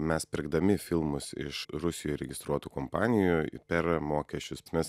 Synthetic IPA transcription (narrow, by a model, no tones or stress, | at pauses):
mʲɛspʲɪɾɡd̪ɐmʲɪfʲɪlˠmʊsɪ̰ʃɾʊsʲɪjoːɾʲɛɡʲɪst̪ɾuɔt̪uːkoːmpɑːnʲɪjʊpʲɛɾmoːkʲɛsʲt͡ʃʲʊsmʲɛs